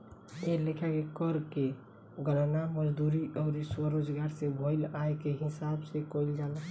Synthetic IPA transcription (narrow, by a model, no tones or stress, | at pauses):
elekʰakekəɾke | ɡəlnaməd͡ʒd̪uɾiʔɔʊɾiswəɾod͡ʒɡaɾsebʱoɪlajkeɦɪsabsekoild͡ʒal